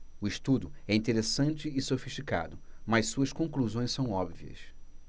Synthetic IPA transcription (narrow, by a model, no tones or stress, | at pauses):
ʊɪʃt̪ud̪ʊɛĩnt̪eɾesɐ̃nt͡ʃɪːsofiʃt͡ʃika̰d̪ʊmɐssuɐʃkõŋkluzõj̃sɐ̃w̃ɔbviɐ̰s